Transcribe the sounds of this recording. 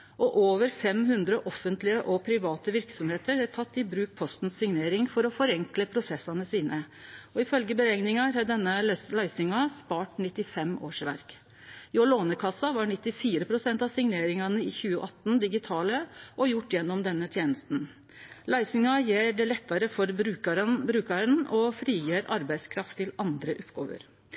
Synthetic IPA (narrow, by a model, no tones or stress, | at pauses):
ʔɔʔoːʋəɾfɛmhʉnd̪ɾəʔɔfːənt̪lɪəʔɔpʰɾɪʋɑːt̪əʋɪɾksɔmheːt̪əɾæɾt̪ʰɑt̪ːɪbɾʉːk̚pʰɔst̪n̩sːɪŋneːɾɪŋfɔɾɔfɔɾɛŋkləpʰɾʊsɛsːɑnəsiːnə | ɔɪfœlɡəbəɾɛŋnɪŋɑɾhɛd̪ɛnːəlæɪsʏŋɑspɑːʈnɪt̪ːɪfɛmo̰ːʂʋæ̰ɾk | ɪɔloːnəkʰɑsːɑʋɑɳɪt̪ːɪfiːɾəpʰɾʊsɛnt̪ɑʋsɪŋneːɾɪŋɑnəɪçʉːəʔɑt̪ːnd̪ɪɡɪt̪ʰɑːləʔɔjʊʈːjɛnːɔmd̪ɛnːət̪ʰjeːnəst̪n̩ | læɪsʏŋɑjeːɖɛlɛt̪ːɑɾəfɔɾbɾʉkɑɾənbɾʉːkɑɾənɔfɾiːjøːɾɑɾbæɪskʰɾɑft̪ʰːɪlɑnd̪ɾəʔʊpːɡ̥o̰ːʋə̰ɾ